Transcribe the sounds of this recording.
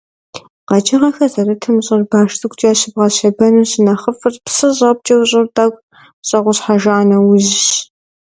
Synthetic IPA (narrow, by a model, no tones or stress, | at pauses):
qɑd͡ʒɪʁɐxɐzɐɾɨtʰɨmɕʼɪrbaːʃtɨkʷʰʼt͡ʃʼːaːɕɪbʁɐɕɐbɐnuːɕɪnɐχəfɨrpsɨʑʼɐp̚t͡ʃʼɐwɕʼɪrtʼaɡʷʼ | ɕʼɐʁʷʊɕħaʒaanɐwʊʑɕ